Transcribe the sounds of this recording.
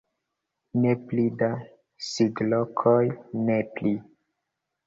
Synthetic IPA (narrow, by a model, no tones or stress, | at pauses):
neplida | siɡlokʰojnepli